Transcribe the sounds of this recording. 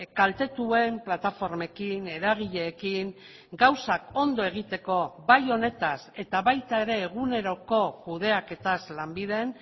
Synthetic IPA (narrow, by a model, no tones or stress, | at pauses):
kalt̪e̞t̪ue̞mplat̪afo̞ɾmekine̞ɾaɣ̞iʎe̞ːkiŋ | ɡawsako̞nd̪o̞e̞ɣ̞it̪e̞ko̞bajo̞ne̞t̪ase̞t̪aβajt̪ae̞ɾe̞ːɣune̞ɾo̞ko̞kuð̞e̞ake̞t̪azlambið̞e̞n